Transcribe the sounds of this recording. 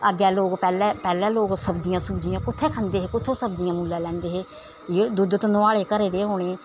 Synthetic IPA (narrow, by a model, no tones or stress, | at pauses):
əɡɛːloːkpɛːlɛːpɛːlɛ̃ːloːɡsəbd͡ʒijãːsəbd͡ʒijãːkʊt̪ʰːeːkʰənd̪eːɦeːkʊt̪ʰːõːsəb̚d͡ʒijãːmuːlːɛ̃ːlɛ̃ːnd̪eːɦeː | jeːd̪ʊd̪t̪nʊaːɭeːkəɾeːd̪eːɦoːɽeː